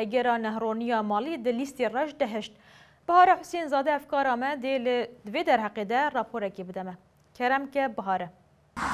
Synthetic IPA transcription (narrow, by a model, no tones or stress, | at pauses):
ɛɡɛɾɑːnɛhroːnijɑːmɑːlid̪ɨlist̪erɛʃd̪ɛɦɨʃt̪ | b̥ɨhɑːɾɛħʊseːnzɑːd̪ɛhɛfkɑːɾɑːmɛd̪eld̪veːd̪ɛɾhɛqeːd̪ɛrɑːpʰoːɾɛkeːbɨd̪ɛmɛ | kʰɛɾɛmkɛbɨɦɑːɾɛ